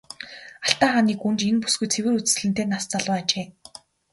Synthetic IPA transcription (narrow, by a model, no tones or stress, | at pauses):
aɬt̪aːχaːniːkunt͡ɕenpu̥sɡujt͡sʰewɘ̆ːɾut͡sɘ̥̆s̆ɮɘ̆nt̪eːnast͡saɮʊːat͡ɕeː